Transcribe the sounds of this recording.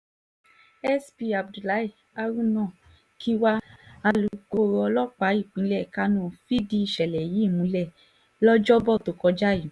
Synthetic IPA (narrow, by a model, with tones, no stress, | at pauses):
ɛ˦sbi˧a˨bdu˨la˨˦i˦˨ | a˧ɾũ˦nã˦˨ | kʰi˦wa˦a˧lu˧ko˧ɾɔ˧lɔ˦k͡pa˨˦i˦˨k͡pĩ˨˦lɛ˦˨ka˦nɔ̃˦˨fi˦di˦i˨ʃɛ˨lɛ˨ji˨˦˨mũ˧˦lɛ˦˨ | lɔ˦d͡ʒɔ˦bɔ˦˨to˨˦kɔ˧d͡ʒa˦˨ji˨